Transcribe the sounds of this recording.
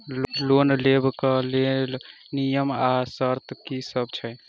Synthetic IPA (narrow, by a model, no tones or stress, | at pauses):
lonlebkəlel | nijəmasəɾt̪kisəbt͡ʃʰəj